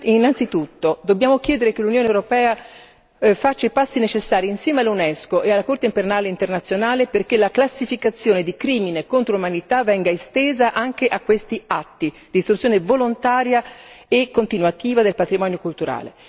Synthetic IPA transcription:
inːant̪sit̪ut̪ːod̪obːjaːmok̟jɛːd̪eɾekelːunjoːnewɾopɛːa | fat͡ʃːepasːinet͡ʃesːaːɾiːnsjɛːmealːunɛskoʔealːakort̪eimpernaːleint̪ernat̪sːjonaːleperkelaklasːifikat̪sːjoːned̪ikɾiːminekont̪ɾoumanit̪avːɛŋɡaest̪eːzaʔaŋk̟eʔakːwest̪iat̪ːi | d̪ist̪ɾut̪sːjoːnevolont̪aːɾjaekːont̪inwat̪iːvad̪elpat̪ɾimɔːnjokult̪uɾa̰ːlḛ

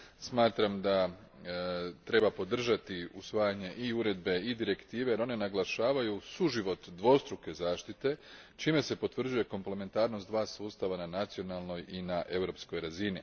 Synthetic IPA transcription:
smaːt̪ɾamd̪a | t̪ɾe̞bapo̞d̪r̩ʒat̪iusʋaːjaɲe̞ʔiuɾe̞d̪be̞id̪iɾe̞kt̪iːʋe̞jeɾo̞ne̞naɡlˠaʃaːʋajusuʒiʋo̞t̪d̪ʋo̞st̪ɾuke̞zaːʃt̪it̪e̞ | t͡ʃiːme̞se̞po̞t̪ʋr̩d͡ʑuje̞ko̞mple̞me̞nt̪aːɾno̞st̪d̪ʋaːsuːst̪aʋananat̪sio̞nalˠno̞jinaʔe̞vɾo̞psko̞jɾazini

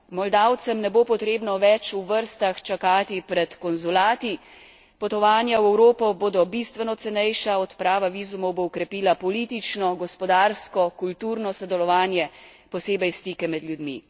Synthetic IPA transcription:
mɔld̪awt̪sɛmnɛbopɔt̪ɾeːbnɔʋɛt͡ʃuʋəɾst̪axt͡ʃakaːt̪ipɾɛt̪kɔnzulaːt̪i | pɔt̪ɔʋaːnjawɛwɾoːpɔboːd̪ɔbist̪ʋɛnɔt̪sɛnɛjʃaɔt̪pɾaːʋaʋiːzumɔwboɔkɾɛpiːlapɔlit̪it͡ʃnɔɡɔspɔd̪aːɾskɔkult̪uɾnɔsɔd̪ɛlɔʋaːnjɛ | pɔseːbɛjst̪ikɛmɛd̪ljud̪mḭ

